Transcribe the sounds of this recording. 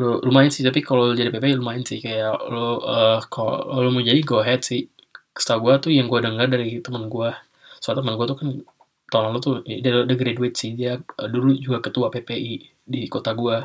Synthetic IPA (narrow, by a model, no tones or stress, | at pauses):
loɾumaɪnsɪht̪ap̬ikalod͡ʒadipepeiɾumaɪnsɪhkajaloəkaloloməd͡ʒadiɡoɦɛt̪̚sɪh | kə̥st̪aɡuat̪ujaŋɡuadəŋardaɾit̪əmənɡua | suat̪əmənɡuat̪ukan | t̪olaŋlot̪udaldəɡɾedwet̪̚sihdiaəduɾud͡ʒuɡakət̪uapepeʔi | dikot̪aɡua